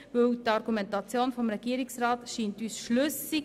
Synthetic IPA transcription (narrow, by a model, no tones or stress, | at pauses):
ʋɵwtɑɾɡumɛntɑt͡sjoːnfɔmɾɛɡ̥iəɾiksɾɑːtʃiːntyːsʃlʉsi